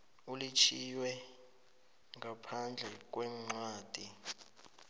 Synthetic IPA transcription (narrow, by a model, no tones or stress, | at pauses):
ulit͡ʃʰiwɛ | ŋapʰand͡ɮʱɛk̬wɛmŋ͡ǀwaːd̥ʱi